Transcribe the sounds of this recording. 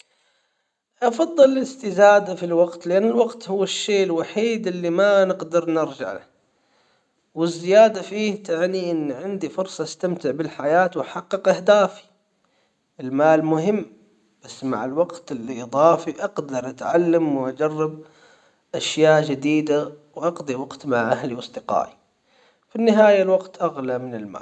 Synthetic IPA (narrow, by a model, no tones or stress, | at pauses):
ʔɑfɑðˤːɨlɪlɪst̪ɪzaːd̪afilwaɡt̪lɪʔanːɪlwɑqt̪hʊwːaʃːeːʔɪlwaħiːd̪ʔɪlːimanɪqd̪ɑɾˤnɪɾd͡ʒa̰ʕla̰ | wɪzːɪjaːd̪afiːht̪aʕniʔɪnːʕɪnd̪ifʊɾsˤɑast̪amt̪ɪʕbɪlħajaːt̪wħɑqːɨqʔahd̪aːfi̥ | ʔɪlmaːlmʊhɪmː | b̥asːma̰ʕɪlwɑɡt̪ɪlːiʔɨðˤɑːfiʔɑqd̪ɑɾˤʔat̪ʕalːamwʔad͡ʒɑrˤːɑb | ʔaʃjaːʔd͡ʒɪd̪iːd̪awʔɑqd̪ˤiwɑɡt̪maʕʔahliwɑsˤd̪ɪqɑ̰ːʔi | finːɪɦaːjalwɑqt̪ʔaɣlamɪnɪlma̰ː